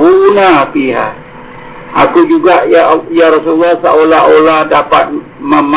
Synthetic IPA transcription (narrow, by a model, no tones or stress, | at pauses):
unapiɦa̰ | akud͡ʒuɡaʔjjaɾɔs̬ulːahsaʔolaoladapat̪̚ | məm